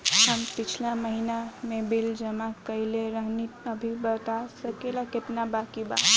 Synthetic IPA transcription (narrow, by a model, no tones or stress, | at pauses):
həmpit͡ʃʰlaməɦinamebild͡ʒəmakəileɾəɦnit̪əbʱibət̪asəkelaket̪nabakiba̰